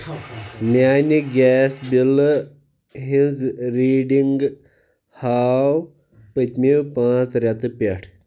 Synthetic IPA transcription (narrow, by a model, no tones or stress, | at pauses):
maniɡʲɛsbil | ɦĩd͡zɾiːɖiŋɡ | haw | pət̪ʲmiwpãːt͡sɾʲat̪ɨpʲaʈʰ